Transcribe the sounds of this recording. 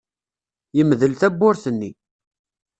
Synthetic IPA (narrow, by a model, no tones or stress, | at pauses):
jəmðəlθæbːʊɾθənːi